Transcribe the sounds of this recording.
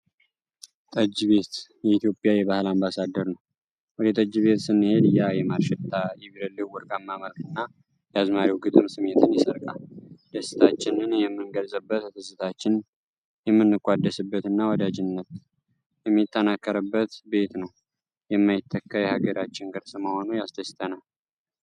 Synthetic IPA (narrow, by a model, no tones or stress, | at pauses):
t̪ʼəd͡ʒːβe̞t̪jɛit̪ʰjo̞pʼjajɛβahɨlambasad̪ːəɾnəw | wɔd̪ət̪ʼəd͡ʒːβe̞t̪sɨnːɨhe̞d̪ɨjajɛmaɾʃɛt̪ʼːaiβɾəlːɨwwːʊɾkʼamːaməlkʰɨnːa | jazmaɾiwɡɨt̪ʼɨmsɨme̞t̪ʰɨnjɪsəɾkʼa̰d̪̥əsːɨ̥t̪ʰat͡ʃːɪnɨnjɛmːɨnɡəlzʼəbːət̪t̪ʰɨsɨt̪ʰat͡ʃːɪn | jɛmːɨnːɨkʼʷːad̪ːəsɨbːət̪ɨnːawɔd̪ad͡ʒɪnːət̪ | jɛmːit̪ʰʼːənakːəɾəbːət̪be̞t̪nəw | jɛmːajɪt̪ʰːəkːəjɛhaɡəɾat͡ʃːɪŋɡɨɾsɨməho̞nujasd̪əst̪ʰənal